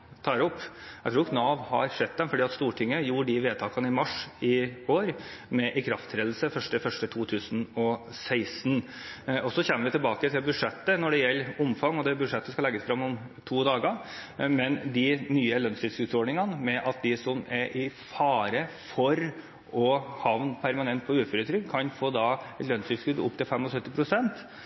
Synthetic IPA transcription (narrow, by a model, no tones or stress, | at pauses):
t̪ʰɑːɾɔpːjæɪt̪ɾuːɾɪknɑːʋhɑ̰ɾʂɛd̪̚d̪ɛnfɔɖiːɑt̪st̪uːʈʰɪŋːəjuːɖɪʋeːt̪ʰɑːkɑnəɪmɑʂɪoːɾmɛʔɪkʰɾɑft̪ʰɾeːd̪l̩səfœʂʈəfœʂʈət̪ʰuːt̪ʰʉːsnɔ | sæɪsnɔsɔçɛmːəɾʋɪt̪ʰɪlbɑːkət̪ʰɪlbʉʂɛt̪ːənɔɖɛjɛlːʊmfɑŋːɔd̪ɛbʉd̪ʂɛt̪ːəskɑlɛɡːəsfɾɑmːɔmt̪ʰuːd̪ɑːɡɑmɛnd̪ɪnyːəlœnst̪ɪskʉd̪sɔɖɳnɪŋɑnəmɛʔɑt̪̚d̪ɪsɔmæɾʔɪfɑːɾə | fɔɾ | ɔhɑʋnpʰæɾmɑnɛnt̪̚pʰɔʉːføːɾət̪ʰɾʏɡkʰɑnfoːd̪ɑɛt̪lœnsʉfskʉd̪ʊ̰p̚ːt̪ʰɪlfɛmːɔsœt̪ːɪpʰɾʊsɛnt̪